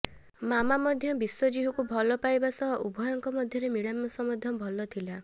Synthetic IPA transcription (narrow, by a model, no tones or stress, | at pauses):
mamamɔd̪ʱjɔbiswɔd͡ʒiɦukubʱɔlɔpajbasɔɦɔʔubʱɔjɔŋkɔmɔd̪ʱjɔɾemiɽamːɔsɔmɔd̪ʱɔbʱɔlɔt̪ʰila